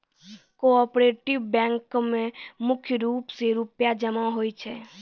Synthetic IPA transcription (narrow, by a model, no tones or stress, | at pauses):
koɔːpɾeːʈɪʋbɛ̃ːŋkmẽmʊkʰjəɾuːpseɾʊpjad͡ʒəmaɦoːit͡ʃʰɛː